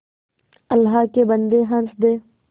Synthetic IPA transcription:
ɐlːɦaːkebɐnd̪eɦɐnsd̪eː

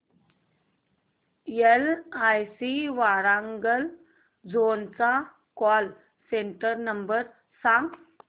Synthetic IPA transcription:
jelajsiʋaɾaŋɡəl | d͡zont͡sa | kɔl | seɳʈəɾnəmbəɾ | sãŋɡ

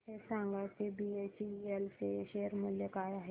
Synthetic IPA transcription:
esãːŋɡat̪ebiet͡ʃielseʃeːəɾmʊljəkaːjaɦɛ

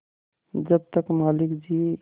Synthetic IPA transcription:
d͡ʒəb̚t̪əkmaːlɪkd͡ʒi

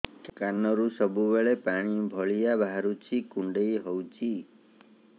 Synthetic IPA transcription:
kanːɔɾusɔbubeɭepaɽ̃ibʱɔɭijabaɦaɾut͡ʃʰikuɳɖejɦɔwt͡ʃʰi

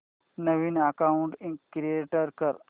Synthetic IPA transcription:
nəʋiːnakauɳʈikɾieʈəɾkəɾ

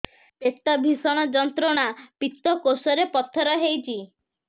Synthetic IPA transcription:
pet̪ːɔbʱisɔɽ̃ɔd͡ʒɔnt̪ɾɔɽ̃apit̪ːɔkosɔɾepɔt̪ʰːɔɾɔɦejt͡ʃʰi

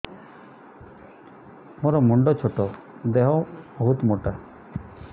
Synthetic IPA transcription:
mɔɾɔmɔɳɖɔt͡ʃʰɔʈɔ | d̪eɦɔbɔɦut̪moʈa

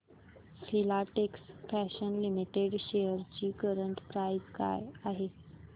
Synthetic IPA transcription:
filaʈeksfæɕənlimiʈeɽɕejəɾt͡ɕiːkəɾəɳʈpɾajd͡ʑka̰jaɦe

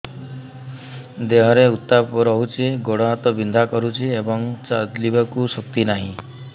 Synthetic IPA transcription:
d̪eɦɔɾeut̪ːapɔɾɔɦut͡ʃʰiɡoɽaɦat̪ɔbind̪ʱakɔɾut͡ʃʰiebɔŋt͡ʃad̪libakusɔk̚t̪inaɦĩ

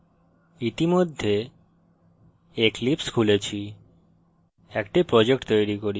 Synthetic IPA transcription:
it̪imod̪ʱːe | eklipskʰulet͡ɕʰi | ɛkʈipɾɔd͡ʑek̚ʈt̪ojɾikoɾi

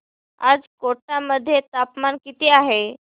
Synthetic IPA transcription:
a̰d͡zkoʈaməd̪ʱːjet̪apmankit̪iːaɦe

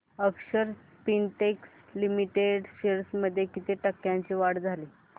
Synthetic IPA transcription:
əkɕəɾ | pinʈeks | limiʈeɖɕeɾsməd̪ʱːjekit̪ʰeʈəkːjaɲt͡ɕiʋaɽd͡zʱali

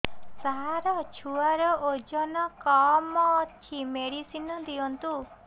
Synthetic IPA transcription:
saɦaɾɔt͡ʃʰuaɾɔʔod͡ʒɔnɔkɔmɔt̪ʰimeɽisinɔd̪iɔnt̪u

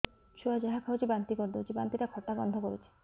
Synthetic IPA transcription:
t͡ʃʰuad͡ʑaɦakʰaot͡ʃʰibant̪ikoɾd̪owt͡ʃʰibant̪it̪akʰɔʈːabɔnd̪ʱɔkoɾet͡ʃʰi̥

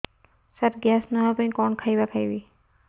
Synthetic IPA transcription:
satɡasnaɦapanikɔnkʰajbakʰajbi

